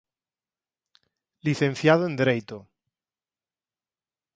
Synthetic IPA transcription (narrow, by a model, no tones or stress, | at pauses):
liθẽnθjaðoend̪ɾejt̪o